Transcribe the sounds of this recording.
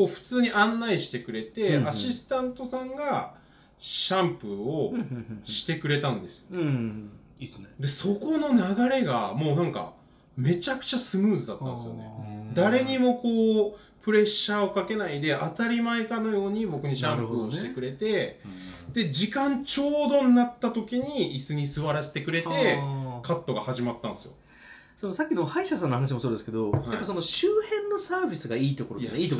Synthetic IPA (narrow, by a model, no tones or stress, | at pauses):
koːɸɯ̟̥t͡sɨːɲ̟iʔãnːaiɕi̥t̪e̞kɯ̟ɾe̞t̪e̞aɕisɨ̥t̪ãnt̪o̞sãŋɡa | ɕãmpɯ̟oɕi̥t̪e̞kɯ̟ɾe̞t̪ãnd̪e̞sɨ̥jo | d̪e̞so̞ko̞no̞naɡaɾe̞ɡamo̞ːnãŋka̰ | me̞t͡ɕakɯ̟̥t͡ɕasɨmɯ̟ːzɨd̪at̪ːã̰nd̪esɨjo̰ne̞̰d̪aɾe̞ɲ̟imo̞ko̞ː | pɯ̟ɾe̞ɕːao̞kake̞naid̪e̞ʔat̪aɾʲimaekano̞jo̞ːɲ̟ibo̞kɯ̟ɲ̟iɕãmpɯ̟oɕit̪e̞kɯ̟ɾe̞t̪e̞ | d̪̥e̞d͡ʑikãɲt͡ɕo̞ːd̪o̞nnat̪ːat̪o̞kʲiɲ̟iisɨɲ̟isɨβaɾase̥t̪e̞kɯ̟ɾe̞t̪e̞kat̪ːo̞ɡahaʑimat̪ːãñsɨjo̰ | sonosakʲːinohaiɕas̬ãnːohanaɕimosoːd̪esɨ̥ke̞d̪o̞hajaipːaso̞noɕɨːhẽ̞nːo̞saːbʲisɨɡaiːt̪o̞koɾoio